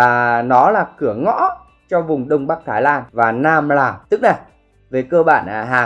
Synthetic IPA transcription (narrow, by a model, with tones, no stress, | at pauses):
aː˨˩nɔ˨˦laː˨˩kɨ˧˩əŋɔ̰˧˥ | t͡ɕɔ˧vʊ˨˩ŋ͡mɗə˧wŋ͡mɓa˦˥k̚t̪ʰaː˨˧˩jlaː˧nvaː˨˩naː˧mlaː˨˩t̪ɨ˦˥k̚na˨˩j | ve˨˩kəː˧ɓa̰ː˧˩nʔɦaː˨˩